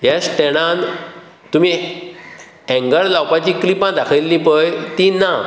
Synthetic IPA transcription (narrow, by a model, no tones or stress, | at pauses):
ɦjasʈeɽ̃ãn | t̪um̤ĩ | ɛ̃ŋɡəɭlawpat͡ɕiklipãd̪akʰəilːĩpəjt̪ina